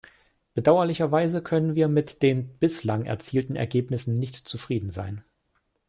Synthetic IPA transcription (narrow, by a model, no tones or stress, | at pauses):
b̥ədaʊɐlɪçɐvaɪzəkʰœnənviːɐmɪtd̥eːnb̥ɪslaŋʔɛ̰ɐt͡siːltn̩ɛ̰ɐɡeːpnɪsn̩nɪçtt͡sufʁ̥iːdn̩za̰ɪn